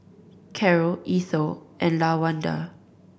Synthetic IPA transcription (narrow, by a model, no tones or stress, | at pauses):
kʰɛɹəʔisoʔɛ̃nlawãnda̰